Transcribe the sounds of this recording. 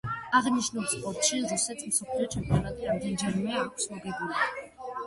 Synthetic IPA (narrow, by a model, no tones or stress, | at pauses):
aʁniʃnuspʼɔɾt̪ʃizusɛt̪ʰm̩sɔpʰliɔt͡ʃʰɛmpʼjɔnat̪ʼiɾamd̪ɛnd͡ʒɛɾmɛakʷʰsmɔɡɛbuli